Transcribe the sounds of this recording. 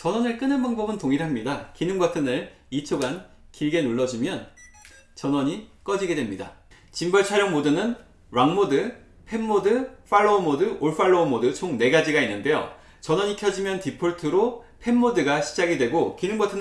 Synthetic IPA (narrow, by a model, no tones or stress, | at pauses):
t͡ɕʌnʌnɯɭk͈ɯnɯnbaŋbʌbɯntoŋiɾɦamɲidakinɯŋɡwʌtʰɯnɯɾ | it͡ɕʰoɡan | kiɭɡe̞nuɭːʌd͡ʑumjʌn | t͡ɕʌnʌɲik͈ʌd͡ʑiɡe̞dwe̞mɲida̰ | t͡ɕimbʌɭt͡ɕʰaɾjʌŋmodɯnɯn | waŋmodɯ | pʰe̞nːodɯɸ͈ʰaɭːoːmodɯoɭɸ͈ʰaɭːoːmodɯt͡ɕʰoŋne̞ɡad͡ʑiɡainːɯnde̞jo̰ | t͡ɕʌnʌɲikʰjʌd͡ʑimjʌntipʰoɭtʰɯɾo | pʰe̞nːodɯɡaɕʰi̥d͡ʑaɡidwe̞ɡokinɯŋɡʌtʰɯn